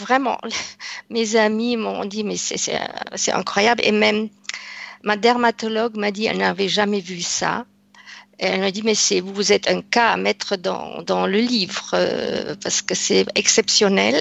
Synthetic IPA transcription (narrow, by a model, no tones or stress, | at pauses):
vʁɛmɑ̰̃mezamimɔ̰̃d̪imɛsɛ̰sɛ̰sɛ̰ɛ̰̃kχwajablʔḛmɛmː | ad̪ɛʁmat̪ɔlɔɡmad̪iɛ̰lnaːvɛʒamɛvysa̰ | eɛlmad̪imɛsɛvuvuzɛt̪ɛ̃ka̰ːmɛt̪χəd̪ɑ̰̃d̪ɑ̃ləlivʁø̰paʁsə̥kəsɛɛksɛpsjɔnɛ̰l